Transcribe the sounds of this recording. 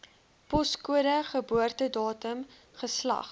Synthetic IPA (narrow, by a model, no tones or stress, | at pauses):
pɔskuəɾəχəbuərtədɑːtəm | χəslɐ̰χ